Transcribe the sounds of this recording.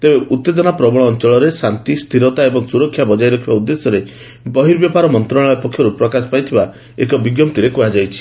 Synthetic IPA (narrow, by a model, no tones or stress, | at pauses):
t̪ebeʔut̪ːed̪ɔnapɾɔbɔɽ̃ɔːnt͡ʃɔɭɔɾesant̪ist̪ʰiɾɔt̪aebɔŋsuɾɔkʰːjabɔd͡ʒajɾɔkʰibaud̪ːesjɔɾe | bɔɦiɾbjɔpaɾɔmɔnt̪ɾɔɭ̃ɭajpɔkʰːjɔɾupɾɔkasɔ̥pajt̪ʰiba | ekɔbiɡjɔmt̪iɾekuɦad͡ʒajt͡ʃʰi̥